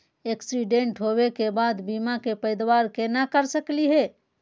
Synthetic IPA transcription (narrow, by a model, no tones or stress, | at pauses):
eksiɖeɳʈɦobekebad̪bimakepəɪd̪waɾkenakəɾsəkliɦe